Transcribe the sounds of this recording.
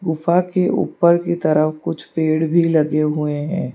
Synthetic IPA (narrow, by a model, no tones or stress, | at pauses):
ɡʊfakeʔṵːpəɾkit̪ɐɾəfkʊt͡ʃʰpeːɽbʱilɐɡeɦueɦɛ̰̃ː